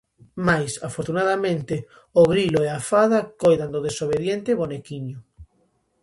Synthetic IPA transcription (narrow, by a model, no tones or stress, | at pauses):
majsafoɾt̪unaðamẽnt̪e | oɣɾiloeafaðakojðand̪oð̞esoβeðjent̪eβonekiɲʊ